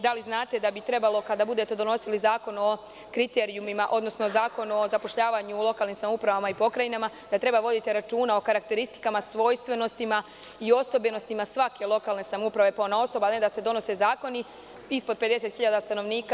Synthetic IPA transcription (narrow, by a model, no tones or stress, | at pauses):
d̪aliznaːt̪e̞d̪abit̪ɾe̞balˠo̞kad̪abud̪e̞t̪e̞d̪o̞no̞silizaːko̞no̞ | kɾit̪e̞ɾiumimaʔo̞d̪no̞snozaːko̞nuo̞zapo̞ʃʎaːʋaɲulˠo̞kalnimsamupɾaʋamaipo̞kɾajinama | d̪̥at̪ɾe̞baʋo̞d̪it̪iɾat͡ʃuːnao̞kaɾakt̪e̞ɾist̪i̥kamasʋo̞ːjst̪ʋe̞no̞st̪ima | io̞so̞beno̞st̪imasʋake̞lˠo̞kalˠne̞samupɾaʋe̞paonao̞so̞balned̪ase̞d̪o̞no̞se̞zaːko̞ni | ispo̞d̪pe̞d̪e̞se̞t̪xiʎad̪ast̪ano̞ʋniːka